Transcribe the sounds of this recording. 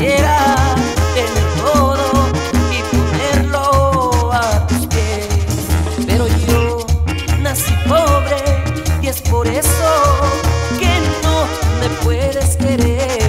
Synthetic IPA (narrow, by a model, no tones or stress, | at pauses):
jeɾa | d̪eneðoɾoipone̞ɾloat̪uβe | spe̞ɾo̞ʝo | nasipoβɾe̞iespo̞ɾe̞so | ke̞nome̞pweðeskeɾe